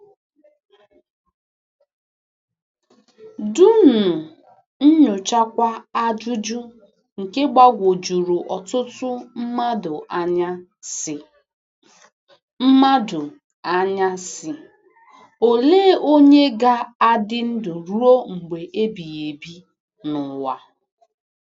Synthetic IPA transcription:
du˦nʊ˨ | n̩˦ɲʊ˨t͡ʃa˦kʷa˦a˦d͡ʒu˦d͡ʒʊ˦ | ŋ̩˨ke˦ɡ͡ba˦ɡʷo˨d͡ʒu˨ɾu˨ʔɔ˨tʊ˦tʊ˦m̩˦ma˦dʊ˨ʔa˦ɲa˦ | sɪ˨ | m̩˦ma˦dʊ˨ | a˦ɲa˦sɪ˨ | o˨leː˦o˦ɲe˦ɡa˦a˦dɪ˦n̩˦dʊ˨ɾu˦o˦ŋ͡m̩˨ɡ͡be˨ʔe˦bi˨e˨bi˦ | nʊ˨wa˦

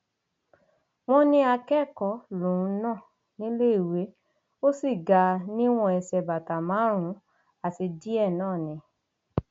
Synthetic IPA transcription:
w̃ɔ̃˦nĩ˦a˧kɛ˦˨kɔ˨˦lũ˨ɾ̃ũ˨˧˦nãː˦˨ | nĩ˦le˦i˦˨we˨˦ | o˦si˦˨ɡa˧nĩ˦w̃ɔ̃˧ɛ˧sɛ˧ba˨ta˨mãː˨˦ɾ̃ũ˨˦ | a˦˨ti˧di˦ɛ˦˨nãː˦˨nĩ˧˦

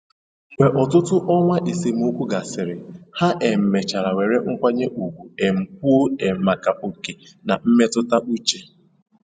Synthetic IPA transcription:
wʷe˨ʔɔ˨tʊ˦tʊ˦ʔɔ˦ŋʷa˦ʔi˨si˨m̩˦u˦kʷu˦ɡa˨sɪ˨ɾɪ˨ha˦ʔe˨m̩˨me˨t͡ʃa˨ɾa˨we˨ɾe˦ŋ̩˦kʷa˦ɲe˦ʔu˨kʷu˨e˨m̩˨k̚u˦o˦e˨m̩˨ma˨ka˨ʔo˨ke˨ | na˨m̩˦me˦tʊ˦ta˦ʔu˦t͡ʃe˨

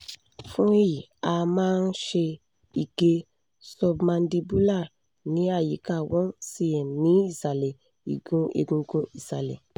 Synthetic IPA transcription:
fũ˦e˦ji˨a˧mãː˦˧n̩˦ʃe˧ | i˨ɡ̥e˧ | sɔ˧bmã˧n˦di˧bu˦la˦˨ | nĩ˨˦a˦˨ji˨˦ka˦˨wɔ̃˦si˧˨ɛ̃˨nĩ˨˦i˦˨sa˨le˨ | ḭ˨ɡũ˧˦ḛ˧˨ɡũ˧ɡo˧i˦˨sa˨lḛ˨

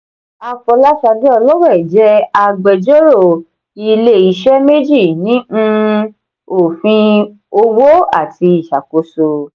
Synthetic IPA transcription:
a˧fɔ˧la˦ʃa˧di˦ɔ˧lɔ˦wɛ˦˨d͡ʒɛ˨˦a˧ɡ͡bɛ˧d͡ʒɔ˦ɾo˦˨ | i˧le˦i˧ʃɛ˦me˦d͡ʒi˦˨nĩ˨˦ũ˦˧ | o˨fĩ˧ | o˧wo˦a̰˦˨ti˧˦i˦˨ʃa˨ko˨so˧

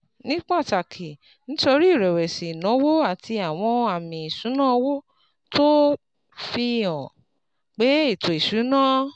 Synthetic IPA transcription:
nĩ˦k͡pa˦˨ta˨kʰi˨ | nĩ˦to˧ɾi˦˨ɾɛ˨wɛ˨si˨nɔ̃˨˦wo˦a˦˨tʰi˧a˨w̃ɔ̃˧a˨mĩ˨i˨ʃũ˨˦nã˦˧wo˦ | to˦ | fi˧˨ɔ̃˨ | k͡pe˨˦i˦˨to˨i˨ʃu˨˦nãː˦

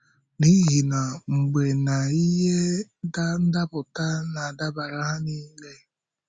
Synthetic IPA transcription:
ni˦ɣi˨na˨ŋ͡m̩˨ɡ͡be˨na˨i˦ɦe˦ | n̩˦da˦pʊ˨ta˦na˨da˦ba˨ɾa˦ɦa˦ni˦ŋ̩˦le˦

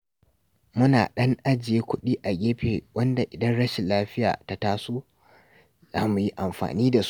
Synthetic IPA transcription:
mʊ˦naː˨ɗɐ˦ŋʔa˦d͡ʒɪ˨jeː˦kʷʊ˦ɗiː˦ʔa˨ɡʲeː˦ɸeː˨wɐ˦nda˨ʔɪ˨dɐ˦nɽɐ˦ʃɪ˨laː˦ɸɪ˦ja̰ː˨ta˦taː˦soː˦ | zaː˦mu˨ji˦ʔa˨mɸa̰ː˨niː˦da˨s

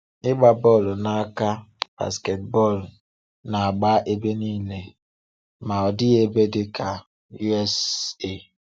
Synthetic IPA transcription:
ɪ˦ɡ͡ba˨bɔ˦˨lna˦ka˦b̥a̰˨ske˨t̚bɔ˦˨l | na˨a˨ɡ͡ba˦ʔe˦be˦niː˦le˨ | ma˨ɔ˨dɪ˦e˦be˦dɪ˦ka˨ | ju˦ɛ˦se˦˨

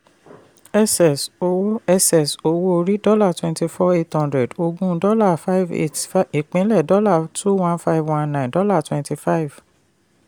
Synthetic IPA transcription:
ɛ˦sɛ˨so˧wo˦ɛ˧sɛ˨so˧wo˦o˧ɾi˦dɔ˦la˦˨twɛ̃˧nti˧fɔ˦e˦thã˧ndɾɛ˨do˧ɡũ˦dɔ˦la˦˨fa˦i˦vḛ˦tfai˨k͡pẽ˨˦lɛ˦˨dɔ˦la˦˨tʰu˦wã˦nfa˦ivwã˦nːã˨ndɔ˦la˦˨twɛ̃˧nti˧fa˦i˨v̥

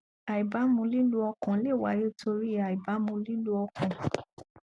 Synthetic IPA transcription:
a˨i˨ba˨˦mũ˧˦li˦lu˦ɔ˧kã˨le˦˨wa˨˦jo˦˨tʰo˧ɾi˦a˨i˨ba˨˦mũ˧li˦lu˦ɔ˧kʰã˨

